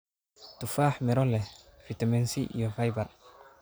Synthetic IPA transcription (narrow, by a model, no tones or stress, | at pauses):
tufaːħmɛɾɔlːɛfitamɛnsḭjɔfajbaɾ